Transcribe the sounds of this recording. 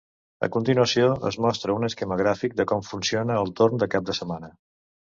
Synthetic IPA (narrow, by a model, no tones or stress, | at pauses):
ə̰kunt̪inuəsioə̰zmɔst̪ɾəunəskɛməɣ̞ɾafik̚d̪əkɔmfunsionəːlˠt̪ornd̪əkap̚d̪əsəmanə